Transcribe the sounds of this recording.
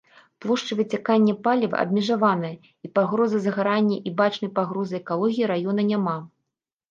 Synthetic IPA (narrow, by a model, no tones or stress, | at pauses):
plˠɔʂt͡ʂɨvɨt͡sʲakanʲːɛpalʲivɐ̰ʔɐ̰bʲmʲɛʐavanɐjɐ | ipaɣɾɔzɨzɐɣaɾanʲːɐʔibat͡ʂnɐjpaɣɾɔzɨɛkalˠɔɣʲijiɾajɔnɐnʲama